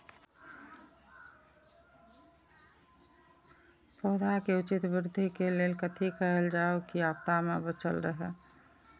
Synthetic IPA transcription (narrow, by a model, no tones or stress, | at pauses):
poːd̪akeʊt͡ʃɪt̪bɪɾd̪ʱikeleːlkət̪ʰikəɦəld͡ʒaːokiaːp̚t̪amebət͡ʃə̰lɾəɦɛ